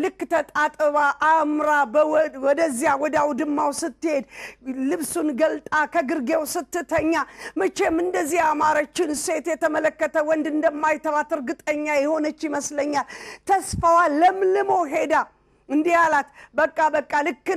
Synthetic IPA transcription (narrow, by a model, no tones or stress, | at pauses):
lɨkːt̪ʰət̪ʼat̪ʼɨβaʔamɾabwɔd̪əzːijawɔd̪awd̪ɨmːawsɨt̪ːɨhe̞d̪lɨβsunɡəlt̪ʼakʰəɡɨɾɡewsɨt̪ːɨt̪ʰəɲːamət͡ʃemɨnd̪əzːihamaɾət͡ʃːɪnse̞t̪jɛt̪ʰəmələkːət̪ʰəwɔnd̪ɨnd̪əmːajt̪ʰəβat̪ʰɨɾɡɨt̪ʼəɲːajɛho̞nət͡ʃːɪməsləɲːalt̪ʰəsfəwalːəmlɨmoɦe̞d̪a | ɨnd̪ijalat̪bəkʼːabəkʼːalɨkːɨ